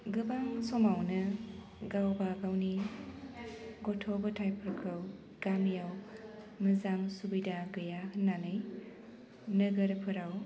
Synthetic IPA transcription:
ɡɯbaŋsɔmawnɯ | ɡawbaɡawni | ɡɔtʰɔbɯtʰajpʰɯɾkʰɾɯw | ɡ̥amijaw | mɯzaŋsubidaɡɯjaknanɯj | nɯɡɯɾpʰɯɾaw

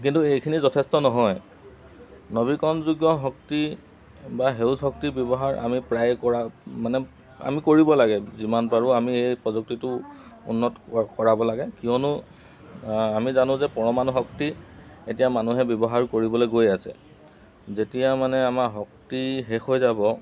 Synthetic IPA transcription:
kintuejkʰinizɔtʰestɔnɔɦɔj | nɔbikɔnzuɡjɔɦɔk̚ti | baɦewsɦɔk̚tibjɔbɔɦaɹa̰mipɹajkɔɹamanɛ | a̰mikoɹibɔlaɡɛzimanpaɹʊamiejpɹɔzuk̚titʊṵnːɔtkɔɹabɔlaɡɛkijɔnʊ | amizanʊ̃zɛpɔɹɔmanɦɔktietijamanuɦɛbjɔbɔɦaɹkoɹibɔlojɡojasɛ̰ | zetijamanɛamaɦɔk̚tiɦexojzabɔ

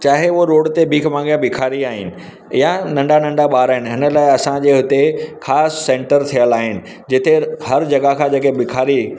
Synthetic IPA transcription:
t͡ɕaːɦeʊɦoɾoːɽt̪ebʱiːkʰmãːŋɡjãbɪkʰaːɾiaːɦɪ̰nɪ̆ | ɪjanɐ̃ɳɖanɐ̃ɳɖaɓaːɾaːɦɪnɪ̆ɦɪnəlaːɪɐsãd͡ʑeːɦʊt̪exʰaːsːẽːʈəɾt̪ʰijəlaːɦɪnɪ̆ | d͡ʑɪt̪ʰehɐɾd͡ʑɐɡakʰãːd͡ʑeːkebɪkʰaːɾi

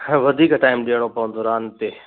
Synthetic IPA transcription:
ʋɐd̪ʱiːkʈaːɪmɗijəɽ̃opɐʋənd̪ʱoɾaːnt̪e

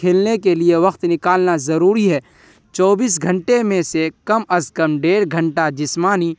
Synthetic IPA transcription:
eːlnekelieʋɐxt̪nɪkaːlnazɐɾuːɾiɦɛː | t͡ʃɔːbiːs̬ɡʱə̃ɳʈemẽsekɐmɐzkəmɖeːɾɡʱə̃ɳʈad͡ʒɪsmaːni

